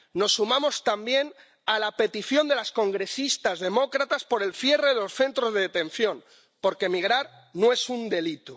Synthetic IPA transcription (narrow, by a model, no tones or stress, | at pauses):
no̞sːumamo̞st̪ambje̞n | alape̞t̪iθjo̞nd̪e̞lasko̞ŋɡɾe̞sist̪azðe̞mo̞kɾat̪aspo̞ɾe̞lfje̞re̞ðelo̞sθe̞nt̪ɾo̞zðeðet̪e̞n̟θjo̞n | po̞ɾke̞miɣ̞ɾaɾ | noe̞sund̪e̞lit̪u